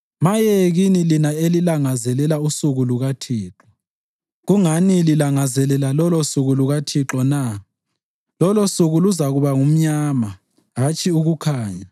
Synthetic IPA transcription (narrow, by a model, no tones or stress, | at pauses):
majɛɣinilinaelilaŋazɛlɛlausuɣuluɣatʰiːǁɔ | ɣuŋanililaŋazɛlɛlalɔlosuɣuluɣatʰiǁɔna | lɔlosuɣuluzaɣuβaŋum̩ɲaːma | ɦat͡ʃʼiuɣukʰaːɲa